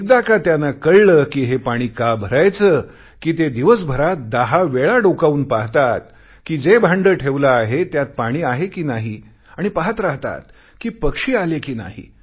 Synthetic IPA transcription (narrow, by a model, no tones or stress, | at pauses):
ek̚d̪akat̪janakəɭləːkiːɦepaɽ̃iːkabʱəɾajt͡səː | kiːt̪ed̪iʋəs̬bʱəɾat̪̚d̪aɦaʋeɭaɖokauːnpaɦt̪at̪ | kiːd͡zebʱãɳɖəːʈʰeʋlaːɦet̪jat̪̚paɽ̃iːaɦekiːnaɦi | aɽ̃ipaɦət̪ɾaɦt̪a̰t̪̚ | kiːpəkʂiːalekiːna̰ɦḭ